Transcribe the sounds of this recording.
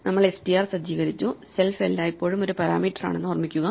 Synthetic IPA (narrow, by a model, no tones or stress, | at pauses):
nɐmːɐɭesʈijaːrsɐd͡ʑiːɣɐɾit͡ɕːuselfelːaːipːoːɻumo̞ɾupɐɾa̰ːmiːʈːɐra̰ːɳenːɨormikʲːuɣɐ